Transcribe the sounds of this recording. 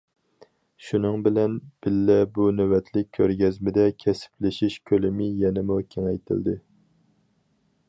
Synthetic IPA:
ʃunɨŋbɪlɛnb̥ɪlːɛbunøwɛt̪ʰlɪk̚ʲʰːøɾɡʲɛzmɪd̪ɛkʲʰɛsɪ̥plɪʃiʃkʲʰølɪmɪjɛnɪmukʲʰeŋɛjt̪ʰɪ̰ld̪ɪ

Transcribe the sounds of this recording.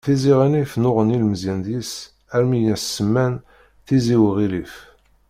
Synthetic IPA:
θiziʁinifnʊʁənilməzjænd̪is | æɾmijæssːəmːæn | θiziwʁilif

